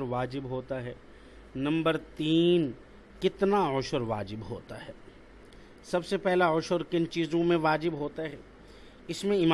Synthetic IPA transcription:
ɾʋaːd͡ʒɪbɦoːt̪aɦɛː | nɐ̃mbəɾt̪iːn | kɪt̪naʊʃʊɾʋa̰ːd͡ʒɪbɦo̰ːt̪aɦɛː | sɐbsepɛɦlaʊʃʊɾkɪnt͡ʃiːzõmẽʋaːd͡ʒɪbɦoːt̪aɦɛː | ɪsmẽɪma

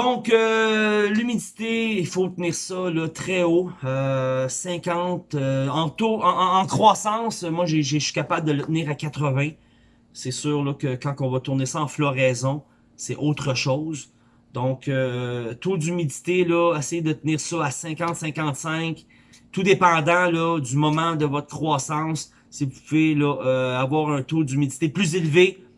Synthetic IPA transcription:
d̪ɔ̃kølymid̪it̪eifot̪əniːʁsɔlɔt̪χɛoøsɛ̃kɑ̃t̪øɑ̃t̪oɑ̃ɑ̃ːkχwasɑ̃ːsmwaʒeʒeswi̥kapabld̪ələt̪niːʁakat̪χəvɛ̃ | sɛsyːʁlɔkəkɑ̃kɔ̃vɔt̪uʁnesɔɑ̃flɔʁɛzɔ̃ | sɛʔot̪χəʃoz | d̪ɔ̃køt̪od̪ymid̪i̥t̪elɔesɛjd̪ət̪əniːʁsɔasɛ̃kɑ̃t̪sɛ̃kɑ̃t̪sɛ̃k | t̪ud̪epɑ̃ːd̪ãlɔd̪ymɔmɑ̃d̪əvɔt̪χə̥kχwaːsɑ̃sː | ivupuvelɔøavwaːʁœ̃t̪od̪ymid̪i̥t̪eplyzelve

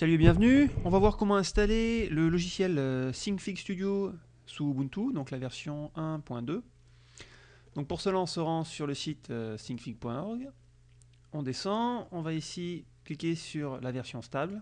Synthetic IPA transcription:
salyebjɛ̃vnyɔ̃vavwaʁkɔmɑ̃ɛ̃st̪alelːəlɔʒisjɛløsiŋfikst̪yd̪jo | subũnt̪ud̪ɔ̃klavɛʁsjɔ̃ɛ̃pwɛ̃d̪ø | d̪̥ɔ̃k̚puʁsəlaɑ̃ɔ̃səʁɑ̃syʁləsit̪ʰøsĩŋɡfiɡ̚pwɛ̃ɔʁɡ | ɔ̃d̪esɑ̃ɔ̃vaisiklikʲesyʁlavɛʁsjɔ̃st̪abl

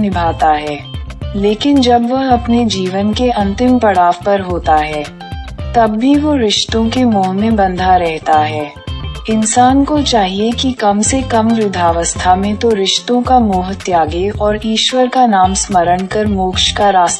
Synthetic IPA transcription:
nɪbʱaːt̪aɦɛːleːkɪnd͡ʒɐbʋɐɦɐpned͡ʒiːʋənkeʔɐ̃nt̪ɪmpɐɽaːʋpɐɾɦoːt̪aɦɛː | t̪ɐbːiʋoɾɪʃt̪õkemoːɦmẽbɐ̃nd̪ʱaɾɛɦt̪aɦɛː | ɪnsaːnkot͡ʃaːɦiekikɐmsekɐmɾʊd̪ʱaːʋəst̪ʰamẽt̪oɾɪʃt̪õkamoːɦət̪jaːɡeɔːɾiːʃwəɾkanaːmsməɾəɳ̃kɐɾmoːkʃkaɾaːs

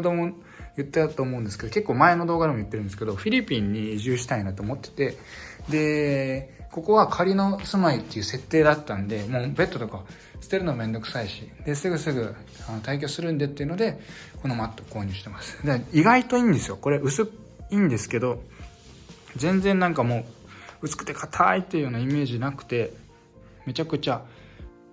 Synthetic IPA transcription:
d̪omo | jɯ̟t̪ːet̪at̪oːmoɯ̟nd̪esɨ̥ked̪o̞ke̞kːoːmae̞no̞d̪o̞ːɡad̪e̞mo̞jɯ̟t̪ːe̞ɾɯ̟nd̪eske̞d̪o̞ɸʲiɾʲipʲĩɲ̟ːiʑɨːɕi̥t̪ainat̪o̞ːmo̞t̪ːe̥t̪e̞ | d̪e̞ | ko̞ko̞βakʰaɾʲino̞sɨmait̪ːe̞jɯ̟ːse̞t̪ːe̞ːd̪at̪ːãnd̪e̞moːbe̞t̪ːo̞t̪o̞ka | sɨ̥t̪e̞ɾɯ̟noamẽ̞nd̪o̞kɯ̟̥saiɕid̪̥e̞sɨɡɯ̟sɨɡɯ̟ | ano̞t̪aik̬ʲo̞ːsɨɾɯ̟̃nd̪et̪ːeiɯ̟nod̪e̞ko̞no̞mat̪ːo̞ko̞ːɲ̟ɨ̟ːɕi̥t̪e̞masɨ̥d̪aiɡait̪o̞ĩːnd̪e̞sɨjo̞ko̞ɾe̞ʔɯ̟sɨ | iːnd̪e̞sɨ̥ke̞d̪o̞ | zẽ̞nd͡zẽ̞nːãŋkamo̞ː | ɯ̟t͡sɨ̥kɯ̟t̪ːe̞kʰat̪ʰait̪ːeiɯ̟jo̞ːnaime̞ːʑinakɯ̟̥t̪e̞ | me̞t͡ɕakɯ̟t͡ɕa

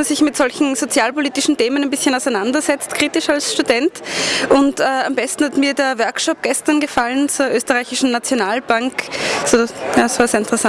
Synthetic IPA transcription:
ɐsɪçmɪtz̥ɔlçn̩zot͡sjaːlpoliːtɪʃn̩teːmənæɪnbɪsçənaʊsaɛɪnandɐzɛt͡stkʁ̥iːtɪʃalsʃtudɛntʔʊntɛːambɛstn̩hatmiːɐdeːɐvɛɐkʃɔp̚ɡ̥ɛstɐnɡəfalənt͡suːɐʔøːstɐʁaɪçɪʃn̩nat͡sjonaːlb̥aŋksoːjaːsv̥aːɐseːɐɪntəʁ̥ɛsan

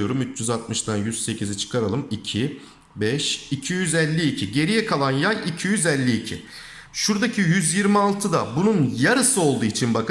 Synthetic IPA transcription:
o̞ɾumyt͡ʃʰyzat̪̚mɯʃt̪anjyzse̞cʰizit͡ʃʰɯ̥kʰaɾalˠɯmicʰi | bɛʃicʰijyzɛlʲːiːcʰiɟe̞ɾijɛkʰalˠanjajicʰijyzɛlʲːiːcʰɪ̰ | ʃuɾd̪acʰijyzjiɾmialˠt̪ʰɯd̪a̰bununjaɾɯsɯo̞lˠd̪uːit͡ʃʰinbak

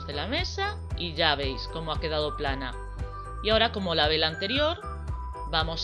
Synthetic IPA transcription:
zðe̞lame̞sa | iʝaβ̞e̞jsko̞moake̞ð̞að̞oplana | iao̞ɾako̞molaβelant̪e̞ɾjo̞ɾ | bamo̞s

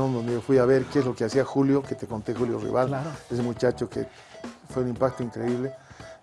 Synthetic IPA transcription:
ond̪o̞nd̪eofwiaβe̞ɾkeezlo̞keasiaxuljoket̪eko̞nt̪exuljo̰rḭβalaes̬emut͡ʃat͡ʃokḛ | fweũnĩmpak̚t̪oiŋkɾeiβle

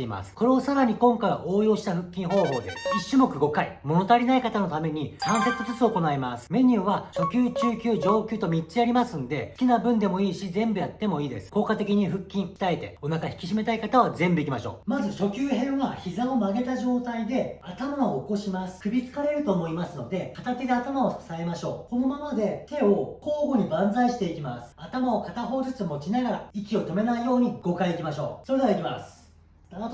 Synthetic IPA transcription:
eima̰sɨ̥ko̞ɾe̞osaɾaɲ̟ikõ̞ŋkaiβa̰ʔoːjo̞ːɕi̥t̪aɸɯ̟kʲːĩɰ̃ɦo̞ːɦo̞ːd̪e̞̰sɨ̥iɕːɨmo̞kɯ̟ɡo̞kaḭmo̞no̞t̪aɾʲinaikat̪ano̞t̪ame̞ɲ̟isãɰ̃se̞t͡sɨzɨt͡sɨo̞ko̞naemasɨ̥me̞ɲ̟ʲɨːβaɕo̞kʲɨːt͡ɕɨːkʲɨːd͡ʑo̞ːkʲɨːt̪o̞mʲit͡ɕiaɾʲimasɨ̃nd̪e̞ɨ̥kʲinabɯ̟̃nd̪e̞mo̞iːɕizẽ̞mbɯ̟jat̪ːe̞mo̞iːd̪e̞sɨ̥ko̞ːkat̪e̞kʲiɲ̟iɸɯ̟kʲːĩɰkʲi̥t̪aet̪e̞̰onakaçi̥kʲi̥ɕ̬ime̞t̪aikat̪aβazẽ̞mbɯ̟ikʲimaɕo̞̰ːmazɨɕo̞kʲɨːɦẽ̞ɰ̃βaçizão̞maɡe̞t̪aʑo̞ːt̪aid̪e̞at̪amamoːko̞ɕimasɨ̥kɯ̟bʲit͡sɨ̥kaɾe̞ɾɯ̟t̪o̞ːmo̞imasɨno̞d̪e̞kat̪akid̪e̞at̪amao̞sae̞maɕo̞ːko̞no̞mamad̪e̞t̪e̞o̞ko̞ːɡo̞ɲ̟ibãnd͡zaiɕi̥t̪e̞ikʲimasɨ̥at̪amao̞kat̪aɦo̞ːzɨt͡sɨmo̞t͡ɕinaɡaɾa̰ikʲio̞t̪o̞me̞naijo̞ːɲ̟iɡ̥o̞kaiikʲimaɕo̞ːso̞ɾe̞d̪eaikʲimasɨ̥

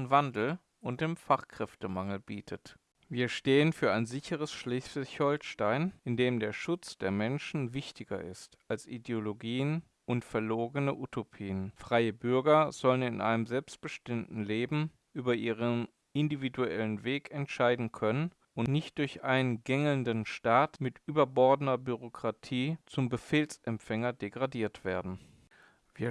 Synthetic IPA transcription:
nvandl̩ | ʊnt̚d̥eːmfaχkʁ̥ɛftəmaŋl̩biːtʰət | viːɐʃteːənfyːɐaɪnzɪçəʁ̞əsʃlɪslçhɔlʃtaɪnɪndeːmdeːɐʃʊt͡sd̥eːɐmɛnʃn̩vɪçtɪɡɐ̰ʔɪ̰stʔalsʔḭdeoloɡiːən | ʔʊntfɛɐloːɡənəʔutʰopʰiːənfʁ̥aɪəbʏɐɡɐz̥ɔlənɪnʔa̰ɪnəmzɛlpst̚b̥əʃtɪmtn̩leːbm̩ | ʔyːbɐʔiːʁən | ʔɪndividuɛ̰lənveːkʰɛntʃaɪdn̩kʰœnən | ʊntnɪçt̚d̥ʊɐçʔaɪnənɡɛŋəlndənʃtaːtmɪtʔyːbɐbɔɐdənɐbyʁokʁ̥atʰiːt͡sʊmbəfeːlsʔɛmpfɛŋɐdeɡʁadiːɐtv̥eːɐdn̩ | viːɐ

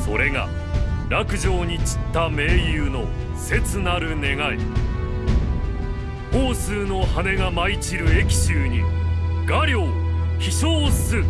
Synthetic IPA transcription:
so̞ɾe̞ŋa̰ | ɾakɯ̟ʑo̞ːɲ̟it͡ɕi̥t̪ːame̞ːjɯːno̞ | se̞t͡sɨnaɾɯ̟ne̞ɡaḭ | hoːsɨːno̞hane̞ɡamait͡ɕiɾɯ̟e̞kʲi̥ɕɨːɲ̟iɡaɾʲjo̞ːçiɕoːsɨ

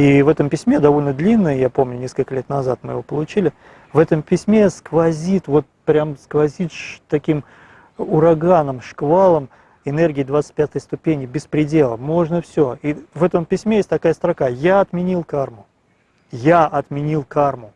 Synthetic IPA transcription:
ivɛt̪əmpʲɪsʲmʲed̪ɐvo̞lʲnəd̪lʲinːɨjəjapo̞mnʲʊnʲe̞skəlʲkəlʲe̞t̪nɐzat̪̚mɨ̰jɪ̰vo̞pəlˠʊt͡ɕilʲɪ | vɛt̪əmpʲɪsʲmʲeskvɐzʲit̪vo̞t̪̚pɾʲamskvɐzʲit̪ʂt̪ɐkʲim | ʊɾɐɡanəmʂkvalˠəm | ɪnɛrɡʲɪːd̪vat̪sɨ̥tʲpʲat̪əjst̪ʊpʲenʲɪbʲɪspɾʲɪdʲe̞lˠə̰mo̞ʐnəfsʲoivɛt̪əmpʲɪsʲmʲejesʲtʲt̪ɐkajəst̪ɾɐkajaɐt̪mʲɪnʲilˠkarmʊ | jaʔɐt̪mʲɪnʲilˠkarmʊ

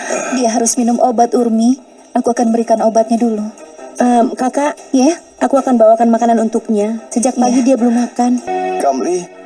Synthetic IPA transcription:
diaɦaɾʊsminʊmʔobat̪urmi | akuakanbəɾikanobat̪̚ɲaduluəmkakaʔja | akuakanbawakanmakananunt̪ʊk̚ɲasəd͡ʒak̚paɡidiabəlʊmːakanɡamli

